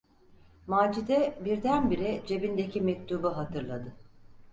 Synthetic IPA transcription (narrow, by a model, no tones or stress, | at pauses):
maːd͡ʒid̪ɛbiɾd̪ænbiɾɛd͡ʒe̞bind̪ecʰimɛc̚t̪ʰubɯɦat̪ʰɯɾlˠad̪ɯ